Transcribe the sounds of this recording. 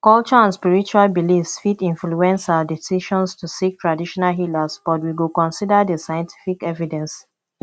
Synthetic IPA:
kɔlt͡ʃɔãnspiɹit͡ʃualbilifsfitĩnfluɛ̃nsadisiʃɔ̃nstusik̚tʰɹadiʃɔnalɦilasb̥ɔt̬wiwilkɔ̃nsidədəsajɛ̃ntʰi̥fikɛvidɛ̃ns

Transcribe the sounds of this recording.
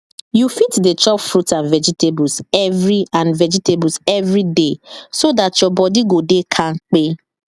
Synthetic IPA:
jufitdet͡ʃɔpfɾutãnvɛd͡ʒitebusɛvɾiãnvɛd͡ʒitebusɛvɾidesodatjɔbɔdiɡodekʰaŋ̩k͡pe

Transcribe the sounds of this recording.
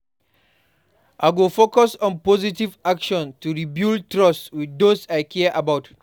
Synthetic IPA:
ʔaɡofokɔsɔ̃npɔzitivakʃɔ̃ntuɹibiltɹɔswidosajkʰɛʔabawt

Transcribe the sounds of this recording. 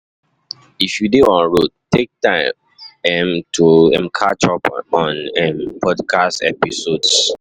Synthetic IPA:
ifjudeɔ̃nɹot̚tʰek̚tãɪm | ɛ̃mtʰuɛ̃mkʰat͡ʃɔpɔ̃nɛ̃mpʰɔdkʰastɛ̰pisods

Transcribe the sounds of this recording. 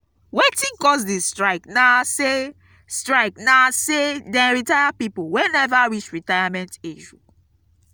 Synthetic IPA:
wetĩnkɔs̬distɹaɪknase | stɹaɪknasedɛ̃ɹitajapipowɛ̃nɛvaɹit͡ʃɹitajamɛ̃nteʒu

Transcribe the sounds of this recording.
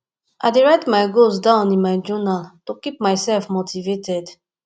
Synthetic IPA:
ʔaɪdeɹaɪtmaɪɡos̬dãʊ̃nĩnmaɪd͡ʒɔnaltokip̚maɪsɛlfmotʰivetʰɛd

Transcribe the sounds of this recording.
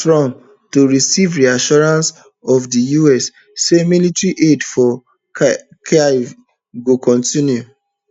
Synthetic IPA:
tɹɔ̃n | toɹisivɹiaʃɔɹãns | ɔvdijuɛsː | emilitɹiʔedfɔ | ka | ɡokʰɔ̃ntĩnju

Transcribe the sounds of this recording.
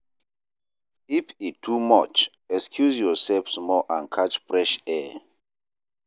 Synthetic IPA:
ifitʰːumɔt͡ʃ | ɛkskʰjusjɔsɛlfsmɔʔãnkʰat͡ʃfɹɛʃɛ

